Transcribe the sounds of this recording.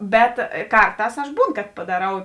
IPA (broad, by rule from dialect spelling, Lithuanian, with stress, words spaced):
ˈbʲɛt ˈkɐrˌtɑːs ɐʃ ˈbuːn kɐt pɐdɐˈrɐʊ